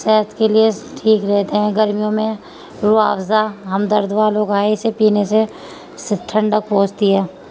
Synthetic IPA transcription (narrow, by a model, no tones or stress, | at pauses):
sɛɦt̪kelieʈʰiːkɾɛɦt̪eɦɛ̃ɡəɾmijõmẽ | ɾʊaːwzaɦɐmd̪əɾd̪ʋaːloːkaːeɪsepiːnese | sɪʈʰə̃ɳɖək̚poːt͡ʃt̪iɦɛː